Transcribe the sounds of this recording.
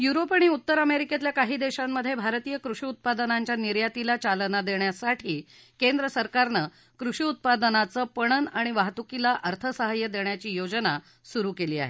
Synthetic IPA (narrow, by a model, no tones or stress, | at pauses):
juɾopaɽ̃iut̪ːəɾəmeɾiket̪ljakaɦiːd̪eɕamːəd̪ʱːjebʱaɾt̪ijəkɾuʂiːut̪̚pad̪ənaɲt͡ɕjaniɾjat̪ilat͡ɕalənad̪eɳjasaʈʰiː | kend̪ɾəsəɾkaɾnə | kɾuʂiːut̪̚pad̪ənat͡səːpəɽ̃ənaɽ̃iʋaɦt̪ukilaʔəɾt̪ʰəsəɦəjəd̪eɳjat͡ɕiːjod͡ʑna | suɾuːkeliːa̰ɦḛ